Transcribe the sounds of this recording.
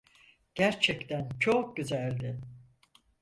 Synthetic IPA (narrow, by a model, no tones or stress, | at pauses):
ɟ̥æɾt͡ʃʰɛct̪ʰænt͡ʃʰok̚ɟyzælʲd̪ɪ